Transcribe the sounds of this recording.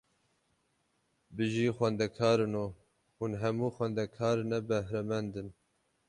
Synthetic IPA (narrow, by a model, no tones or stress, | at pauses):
bɨʒiːxʷɛnd̪ɛkʰɑːɾɨno | hunɦɛmuːxwɛnd̪ɛkʰɑːɾɨnɛbɛhɾɛmɛnd̪ɨn